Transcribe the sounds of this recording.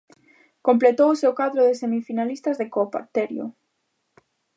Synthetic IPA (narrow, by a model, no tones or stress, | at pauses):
komplet̪owsewkaðɾʊðɪsemifinalist̪azðekopa̰ɾt̪eɾjʊ̰